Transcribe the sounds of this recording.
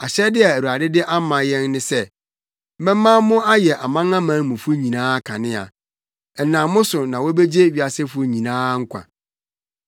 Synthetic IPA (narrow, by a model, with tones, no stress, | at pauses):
a˨ɕɛ˦dɪ˦a˨æ˨ɾu˨a˨dɪ˦dɪ˦ʔa˦mã˨jɛ̃˦nːɪ̃˦sɛ˦ | mɛ̃˦mã˦mʊ̃˦a˦jɛ˨ʔa˨mã˦ŋã˦mã˨˦mʊ̃˨fʊ˦ɲĩ˨nãː˦kʰã˨nɪ̃˦a̰˨ | ɛ˨nã˨mʊ̃˦sʊ˨nã˨wo˦be˦d͡ʑe˦ɥi˨˦a˨sɪ˦fʊ˦ɲĩ˨nãː˦ŋ̩˦kʷʰã̰˨